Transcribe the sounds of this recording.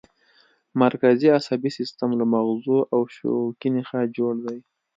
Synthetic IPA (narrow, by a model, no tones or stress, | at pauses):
maɾkaziasabisɪst̪amlamaɣzuʔawʃo̰kinexad͡ʒoɽd̪aj